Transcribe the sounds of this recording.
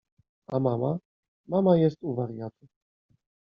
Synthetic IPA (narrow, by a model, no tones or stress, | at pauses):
amama | mamajɛst̪uvaɾjat̪u